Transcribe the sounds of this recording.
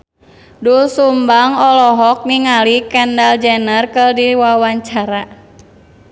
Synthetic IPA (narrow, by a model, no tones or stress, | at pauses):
dulsumbaŋɔlɔɦɔk̚niŋalikɛndald͡ʒɛnərkərdiwawaɲt͡ʃaɾa